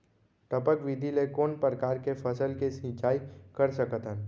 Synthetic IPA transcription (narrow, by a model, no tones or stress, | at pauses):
ʈəpəkʋid̪ʱilekoːnpɾəkaːɾkefʰəsəlkesĩt͡ʃaːikəɾsəkt̪ən